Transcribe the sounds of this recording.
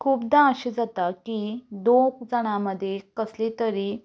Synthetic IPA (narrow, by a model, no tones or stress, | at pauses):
kʰuːpd̪ãəɕed͡zat̪akid̪ok̚d͡zəɽ̃aməd̪ʱːjekəslet̪əɾiː